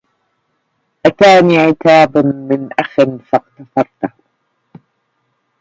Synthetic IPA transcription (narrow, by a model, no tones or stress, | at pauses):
ʔat̪aːniːʕɪt̪aːbmɪnʔaxɪnfɑqt̪ɑfɑɾˤt̪ah